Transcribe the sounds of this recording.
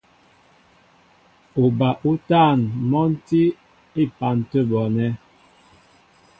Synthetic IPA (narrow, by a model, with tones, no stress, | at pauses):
u˨ba˨ʔu˦taː˦˨nmɔ˦n̩˦ti˦ | i˦˨pa˨n˨tə˦bɔ˨nɛ˦